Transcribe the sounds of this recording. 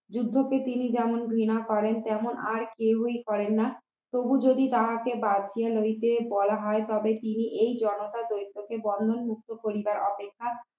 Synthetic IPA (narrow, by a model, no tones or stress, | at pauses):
d͡ʑud̪ʱːopet̪inid͡ʑɛmonɡʱɾinakɔɾent̪ɛmonʔaɾkeɦojkɔɾenːa | t̪obud͡ʑod̪id̪aɦakebadt͡ɕʰialojt̪ebɔlaɦɔet̪ɔbet̪iniʔejd͡ʑɔnot̪ad̪ojt̪ːokebɔnd̪ʱonmuk̚t̪opoɾibaɾɔpekʰːa